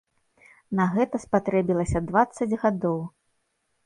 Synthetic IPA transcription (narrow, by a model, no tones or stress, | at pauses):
nɐɣɛt̪ɐspat̪ɾɛbʲilˠɐsʲɐd̪vat̪sːɐd͡zʲɣad̪ɔw